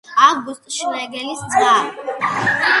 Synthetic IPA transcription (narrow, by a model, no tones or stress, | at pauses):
aɡust̪ʼʃlaɛɡɛlisd̪zaɾ